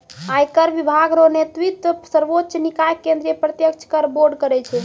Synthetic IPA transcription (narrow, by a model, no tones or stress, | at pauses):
ajkəɾʋibʱaɡɾonet̪wit̪səɾbotːt͡ʃnikajkẽnd̪ɾijəpɾət̪jək̚t͡ʃʰkəɾboɾɖkəɾɛt͡ʃʰɛ